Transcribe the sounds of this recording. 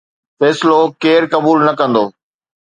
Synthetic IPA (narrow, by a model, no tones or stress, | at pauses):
fɛːsɪlokeːɾkɐbuːlnɐkɐ̃nd̪oː